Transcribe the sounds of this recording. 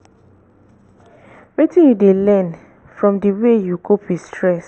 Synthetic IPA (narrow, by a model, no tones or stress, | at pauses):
wetĩjudelɛ̃n | fɹɔ̃mdiwejuɡopistʰɹɛs